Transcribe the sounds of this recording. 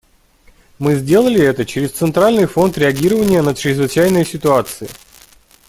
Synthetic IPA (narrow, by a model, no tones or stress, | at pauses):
mɨzʲdʲe̞lˠəlʲɪɛt̪ət͡ɕɪɾʲɪst̪sɨnt̪ɾalʲnɨjfo̞nt̪ɾʲɪɐɡʲiɾəvənʲɪjənət͡ɕɾʲɪzvɨt͡ɕæjnəjsʲɪt̪ʊat̪sɨɪ̰